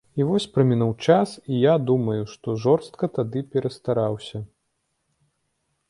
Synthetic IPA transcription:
ivɔsʲpɾɐmʲinuwt͡ʂasijad̪umɐjuʂt̪ɔʐɔrst̪̚kɐt̪ad̪ɨpʲɛɾɐst̪aɾawsʲɐ

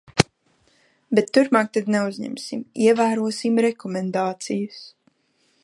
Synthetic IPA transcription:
bet̪ːuɾmaːk̚t̪ad̪neuzɲɛ̰msimiɛvæːɾuɔsimɾɛkɔmɛnd̪aːt̪sijʊs

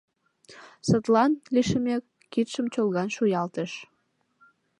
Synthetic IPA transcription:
sət̪lɑnliʃəmekːit̪ʃəmt͡ɕolˠɣɑnʃujɑlt̪əʃ

